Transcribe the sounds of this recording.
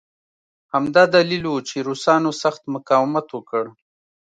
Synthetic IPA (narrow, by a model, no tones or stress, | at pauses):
hamd̪ɑd̪alilwot͡ʃeɾusɑnosaxt̪mʊkɑwɪmat̪wəkəɽ